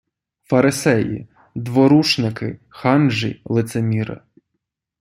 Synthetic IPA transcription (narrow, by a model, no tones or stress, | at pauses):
fɐɾɪsɛjḭ | d̪ʋɔɾut͡ʃnɪkɪ̰xɑnʒḭlˠɪt̪semʲiɾɪ̰